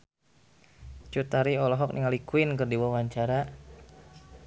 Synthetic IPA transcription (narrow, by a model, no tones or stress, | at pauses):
t͡ʃut̪aɾiɔlɔɦɔk̚nʔḭŋalikuinkərdiwawaɲt͡ʃaɾa